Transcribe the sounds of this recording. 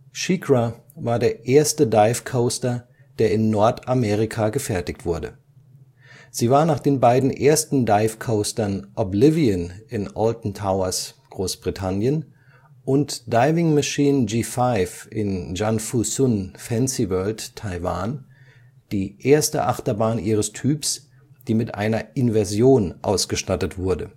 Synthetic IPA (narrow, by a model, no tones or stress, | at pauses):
ʃikʁa | vaːɐdeːɐʔeːɐstədaɪfkʰoʊstɐ | d̥eːɐɪnːɔɐtʰameːʁ̞ikʰaɡəfɛɐtɪçktv̥ʊɐdə̰ | z̥iːvaːɐnaːχd̥eːnbaɪdn̩ʔeːɐstn̩daɪfkʰoʊstɐnʔɔblɪviənɪnʔɔltn̩tʰaʊɐsɡ̥ʁoːsb̥ʁitʰanjən | ʔʊntd̥aɪvɪŋmaʃiːnd͡ʒiːfaɪfʔɪnd͡ʒanfusʊnfɛnsivɜɐlttʰːaɪva̰ːn | d̥iːʔeːɐstə̰ʔaχtɐbaːnʔiːʁ̞əstʰyːps | d̥iːmɪtʔa̰ɪnɐʔɪnvɛɐzjoːnʔa̰ʊsɡ̥əʃtatətv̥ʊɐdə